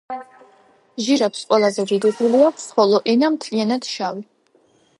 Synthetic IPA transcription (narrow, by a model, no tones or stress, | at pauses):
ʒiɾapsqʼwɛlˠazɛviɾibuliakʰsχɔlɔʔɛnamt̪ʰlianat̪ʃawi